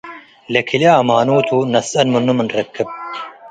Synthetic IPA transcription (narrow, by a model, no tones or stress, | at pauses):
lɐkʰileɐmaːnuːt̪ʰunɐsɐnmunːumɐnɾɐkʰːɐb̚